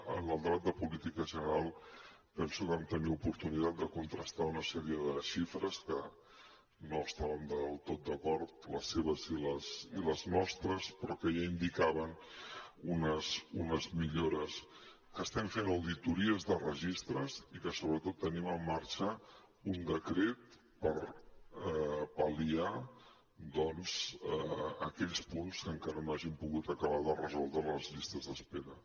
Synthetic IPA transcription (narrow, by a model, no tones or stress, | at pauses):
ə̰nəlˠd̪ɾat̪̚d̪əpulit̪ikəʒənəɾalˠ | pɛnsukamt̪əniupuɾt̪unit̪at̪̚d̪əkunt̪ɾəst̪aunəsɛɾiəðəʃifɾəskə | noəst̪aβənd̪əlˠt̪ot̪̚d̪əkɔɾt̪ləseβ̞əziləsiləznɔst̪ɾəspɾɔkəjaind̪ikaβən | unəzunəzmiʎoɾəs | kəːst̪ɛmfenəwðit̪uɾiəzðərəʒist̪ɾəzikəsoβɾət̪ot̪ːəniməmːaɾt͡ʃə | und̪əkɾet̪̚ | pəɾ | pəlia | d̪ɔnz̥ | əkɛʎspunskəŋkaɾənoaʒimpuɣut̪əkəβaðərəzɔlˠd̪ɾələzʎist̪əzðəspeɾə